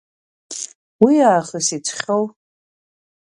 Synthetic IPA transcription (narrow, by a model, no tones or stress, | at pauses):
wiaːχəsit͡ɕʷʰʼχʲow